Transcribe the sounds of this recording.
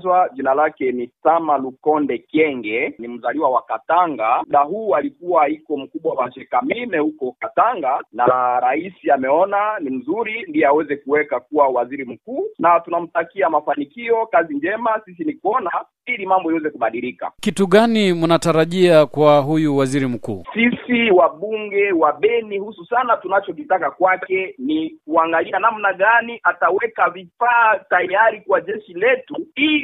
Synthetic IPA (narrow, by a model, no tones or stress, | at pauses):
zwaʄinalakɛnisamalukɔndɛkɛŋɡɛnim̩zaliwawakataŋɡam̩ɗaɦuːalikuwaikɔm̩kuɓwawaʃɛkamimɛhukɔkataŋɡanaɾaisiamɛɔnanim̩zuɾindiɛawɛzɛkuwɛkakuwawaziɾim̩kuːnatunam̩takiamafanikiɔkaziɲd͡ʒɛmasisinikuɔna | ilimambɔiwɛzɛkuɓaɗilika̰kituɠanimunataɾaʄiakwaɦujuwaziɾim̩kṵːsisiwaɓuŋɡɛwaɓɛnihususanatunat͡ʃɔkitakakwakɛnikuaŋɡalianam̩naɠaniʔatawɛkavifaːtajaɾikwaʄɛʃilɛtuili